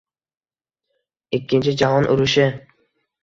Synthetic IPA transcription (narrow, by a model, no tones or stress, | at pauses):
ɪkʲːɪnt͡ʃʰɪd͡ʒaɦɒnʔʊ̰ɾʊʃɪ